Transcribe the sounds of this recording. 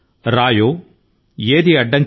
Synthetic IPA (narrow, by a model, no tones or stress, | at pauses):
ɾaːjoː | jeːd̪iɐɖːɐɲt͡ʃ